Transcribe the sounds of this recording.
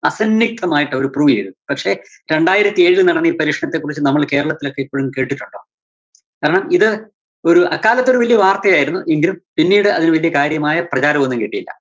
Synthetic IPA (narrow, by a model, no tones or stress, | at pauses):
ɐsɐnːik̚t̪ʰːɐmaːjiʈːɨoɾupruːʋiɾɨpɐkʂe̞ | ɾe̞ɳɖaːjiɾɐt̪ːieːɻilnɐɽɐnːiːpɐɾiːʂɐɳnɐt̪ːekːurit͡ɕːɨnɐmːɐɭke̞ːɾɐɭɐt̪ːilo̞kːeipːoːɻumke̞ːʈːiʈːuɳːoː | kaːɾɐɳɐmiðɨ | o̞ɾuʔɐkːaːlɐt̪ːo̞ɾuʋɐlijɐʋaːrt̪ɐjaːjiɾunːuʔeŋɡilumpinːiːɽɨɐðinɨʋɐlijɐkaːɾjɐmaːjɐprɐt͡ɕaːɾɐmonːumkeʈːijɐlːɐ̰